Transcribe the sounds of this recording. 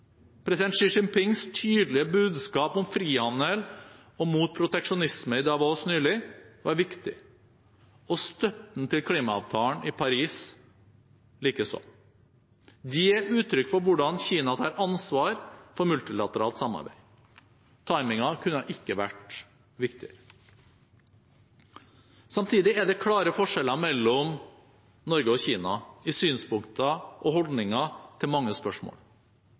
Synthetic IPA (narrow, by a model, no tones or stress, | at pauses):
pʰɾɛsɪd̪ɛnt̪ʃɪʂɪŋpɪŋst̪ʰyːd̪əlɪəbʉːd̪skɑːpɔmfɾiːhɑnnəl | ɔmuːt̪̚pʰɾʊt̪ɛkʂʊnɪsməɪd̪ɑʋoːsnyːlɪʋɑɾʋɪkt̪ɪ̰ | ɔst̪œpn̩t̪ʰɪlkʰliːmɑɑ̰ʋt̪ʰɑːəɳʔɪpʰɑɾiːs | liːkəsɔ̰m | d̪ɪjeːɾʉːt̪ʰɾʏkːfɔɾʋʊɖɑnçiːnɑt̪ʰɑːɾɑnsʋɑːɾfɔɾmʉlt̪ɪlɑt̪əɾɑːlt̪sɑmːɑ̰ɾbæ̰ɪ | t̪ʰɑɪmɪŋɑkʰʉnːəʔɪkːəʋæʈ | ʋɪkt̪ɪə̰ɾə | sɑmt̪ʰiːd̪ɪæɖ̪ɛkʰɽɑːɾəfɔʂɛlɑmɛlːɔm | nɔɾɡəɔçiːnɑɪsyːnspʊŋkt̪ʰəʔɔhɔld̪nɪŋɑt̪ʰɪlmɑŋːəspœʂmo̰ːl